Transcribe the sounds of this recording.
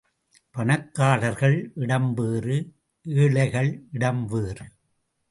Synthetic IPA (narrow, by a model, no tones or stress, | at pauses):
pɐnɐkːaːɭɐɾɣɐɭʔɪɽɐmbeːrɯ | ʔeːɭɐɪɣɐɭɪɽɐmʋeːrɯ